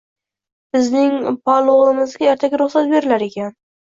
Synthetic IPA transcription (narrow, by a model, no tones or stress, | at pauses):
b̥ɪznɪŋpʰalˠoʁlɪmɪzɡʲaeɾt̪ʰaɡʲaɾʊχsat̪̚be̞ɾɪlaɾe̞kʲan